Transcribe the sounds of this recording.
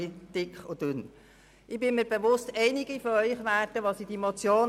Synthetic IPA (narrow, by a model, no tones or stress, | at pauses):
id̥ɪkχod̥ʉn | ʔɪbɪmiːɾbeʋʊstɛɪniɡifɔœʏχʋæːrdəʋɑsid̥imot͡sjoːn